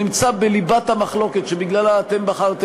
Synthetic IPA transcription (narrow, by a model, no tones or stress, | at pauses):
nimt͡sabelibat̪hamaχlo̞ket̪ʃebiɡlalaːt̪e̞mbaχaʁt̪e